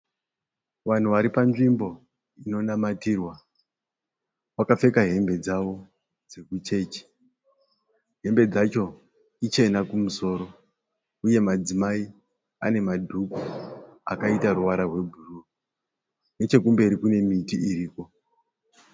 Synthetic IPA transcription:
ʋan̤uʋaɾipanʐimbo̞ | ino̞namatiːrwa | wakap͡fe̞kaɦe̞mbe̞d͡zawo̞ | d͡ze̞kut͡ʃe̞ːt͡ʃi̥ | ɦe̞mbe̞d͡zat͡ʃo̞ | it͡ʃe̞nakumuso̞ːɾo̞ | uje̞mad͡zimai | a̰ne̞madʱukua̰kaitaɾuʋaɾarwe̞bʱuru | ne̞t͡ʃe̞kumbe̞ɾikune̞mitiiɾiːko̞

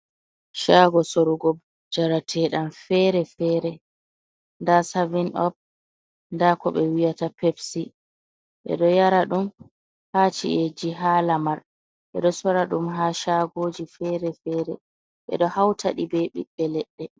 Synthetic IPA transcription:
ʃaːɡɔsoɾuɡɔb | d͡ʒaɾatʰɛːɗamfɛɾɛfɛːɾɛ | ndasavinɔp̚ | ndakɔɓɛwijatapepsi | ɓɛ̰ɗɔjaɾaɗum | hat͡ʃḭʔed͡ʒiɦaːlamaɾ | ɓɛ̰ɗɔsɔɾaɗumɦaːʃaɡoːd͡ʒifɛɾɛfɛːɾɛ | ɓɛ̰ɗɔhawtʰaɗibɛɓḭɓːɛlɛɗːɛ

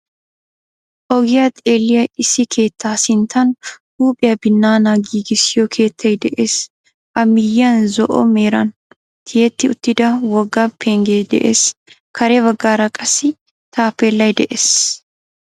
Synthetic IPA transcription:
ʔɔɡɪjɐt̪ʼeːlːɪjɐɪsɪkʰe̞ːt̪ːaːsɪnt̪ʰɐnhuːpʼɪjɐbɪnːaːnɐɡiːɡɪsɪjɔkʰe̞ːt̪ʰːɐjd̪ɛʔeːs | ʔɐmɪjːɐnzɔʔɔ̰meːɾɐn | t̪ʰɪjɛt̪ːɪʊt̪ːɪd̪ɐwɔɡːɐpʰeːŋɡed̪ɛ̰ʔḛːs | kʰɐɾebɐɡːaːɾɐkʼɐsɪ | t̪ʰaːpːelːɐjd̪ɛʔeːs

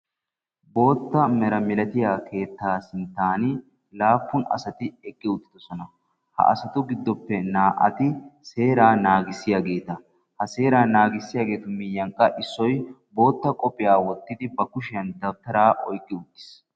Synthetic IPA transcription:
bo̞ːt̪ːɐmɛɾɐmɪlɐt̪ɪjaːkʰe̞ːt̪ːaːsɪnt̪ːaːnɪ | laːfːʊnɐ̰sɐt̪ɪɛkʼːɪʊt̪ʼːɪ̥d̪ɔsɔnɐ | hɐ̰ʔɐ̰sɐt̪ʊɡɪd̪ːɔpːɛnaːʔɐ̰t̪ɪse̞ːɾaːnaːɡɪsːɪjaːɡe̞ːt̪ɐ | hɐse̞ːɾaːnaːɡɪsːɪjaːɡe̞ːt̪ʊmɪjɐŋkʼːɐʔɪsːɔjbo̞ːt̪ːɐkʼɔpʼːɪjaːwɔt̪ːɪd̪ɪbɐkʊʃɪjɐnd̪ɐbt̪ːɐɾaːʔɔjkʼːɪʊt̪ʼːɪ̥s

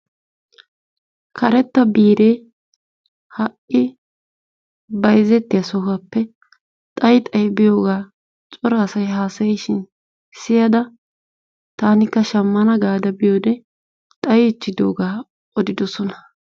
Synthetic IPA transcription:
kʰɐɾɛt̪ːɐbiːɾe̞ː | hɐʔɪ | bɐjzːɛt̪ːɪjɐsɔhɐpːɛ | t̪ʼɐjt̪ʼɐjbɪjo̞ːɡaː | t͡ʃʼɔɾɐsɐjɦaːsɐjɛjʃɪn | sɪjɐd̪ɐ | t̪aːnɪkːɐʃɐmːɐnɐɡaːd̪ɐbɪjoːd̪ɛ | t̪ʼɐjɪt͡ʃːɪd̪o̰ːɡaː | ɔd̪ɪd̪ɔsɔnɐ̥

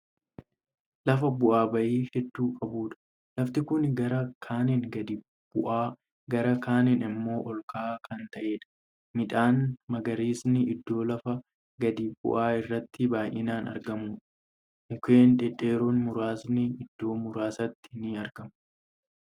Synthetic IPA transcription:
lɐfɐbʊʔaːbɐʔiːhɛd̪ːuːkʼɐbuːᶑɐ̥ | lɐft̪ɪkʊnɡɐɾɐkʰaːnɪnɡɐd̪ɪ | b̥ʊʔaː | ɡɐɾɐkʰaːnɪnɪmːo̞ːʔɔlkʰaːkʰɐnt̪ɐʔe̞ːᶑɐ̥ | mɪᶑ̪aːnmɐɡɐɾiːsnɪɪd̪ːo̞ːlɐfɐ | ɡɐd̪iːbʊ̰ʔaːɪrːɐt̪ːɪbaːjʔɪnaːnɐ̰ɾɡɐmuːᶑɐ̥ | ʊkeːnᶑ̪ɛᶑʼeːɾoːnmʊɾaːsnɪɪd̪ːo̞ːmʊɾaːsɐt̪ːɪ̥nɪɐɾɡ̥ɐm

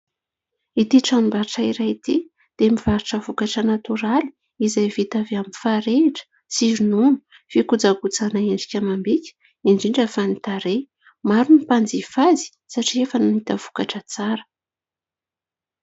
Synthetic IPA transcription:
it̪iʈ͡ʂanimbaɾʈ͡ʂaiɾait̪i | d̪̥eamivaɾiʈ͡ʂəvukaʈ͡ʂənat̪uɾali̥ | izajvit̪aveaminfaɾeʈ͡ʂə̥ | t͡siɾinunu̥ | fikud͡zaɡut͡sanaeɳɖ͡ʐikʲamambikʲə̥ | iɳɖ͡ʐiɳɖ͡ʐafanit̪aɾe | maɾunipand͡zifazi̥ | saʈ͡ʂiefənunit̪əv̥u̥kaʈ͡ʂət͡saɾə̥

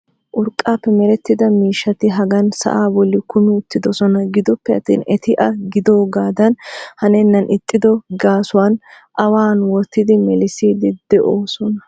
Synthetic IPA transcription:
ʔʊɾkʼːaːpːɛmɛɾɛt̪ːɪd̪ɐmiːʃːɐt̪ɪɦɐɡɐnsɐ̰ʔaːbɔlːɪkʊmɪʊt̪ːɪd̪ɔsɔnɐɡɪd̪ɔpːɛɐt̪ːḭːnɛt̪ɪʔɐɡɪd̪o̞ːɡaːd̪ɐnhɐnɛnːɐnʔɪt̪ʼːɪd̪ɔɡaːsʊwaːn | ʔɐwaːnwɔt̪ːɪd̪ɪmɛlɪsiːd̪ɪd̪̥ɛʔoːsɔnɐ

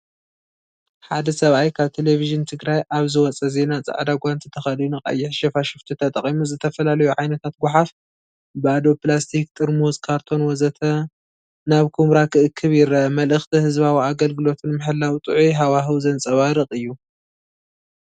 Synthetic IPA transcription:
ħad̪ɐsɐβʔajkʰaβt̪ʰe̞le̞viʒɨnt̪ʰɨɡɾajʔaβzɨwɔt͡sʼɐze̞nat͡sʼa̰ʕd̪aɡʷant̪ʰit̪ʰɐxɐɨljunɨχʼa̰jːɪħʃɐfaʃɪft̪ʰit̪ʰɐt̪ʼɐχʼimuzɨt̪ʰɐfɐlalɐjuʕajnɐt̪ʰat̪̚ɡʷʊħaf | bɨad̪o̞plast̪ʰik̚t̪ʼɨɾmozkʰaɾt̪ʰo̞nwɔzɐt̪ʰɐ | naβkʰumɾakʰɨʔɨkʰːɨβjɪɾɐɐmɐlʔɨxt̪ʰihɨzβawiaɡɐlɡɨlo̞t̪ʰɨnmɨħɨlːawt̪ʼɨʕujɦawaɦɨwzɐnt͡sʼɐβaɾɨqʼɨjːu

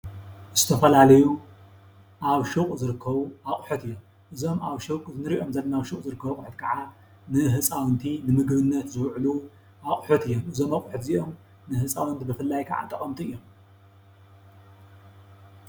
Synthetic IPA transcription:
z̥ɨt̪ʰɐfɐlalɐju | ʔaβʃukʼzɨɾɨkʰːɐβuaχʼħut̪ɨjːo̞m | ʔɨzo̞maβʃukʼzɨnɨɾiʔo̞mzɐlɐnaβʃuχʼzɨɾɨkʰːɐβɐkʼħɨt̪kʰɐʕa | nɨɦɨt͡sʼawnt̪ʰinɨmɨɡβɨnːɐt̪zɨwʕlu | aχʼħut̪ɨjːomʔɨzo̞makʼħɨt̪ziʔo̞m | nɨhɨt͡sʼawnt̪ʰibɨfɨlːajkʰa̰ʕa̰t̪ʼɐχʼɐmt̪ʰiɨjːom

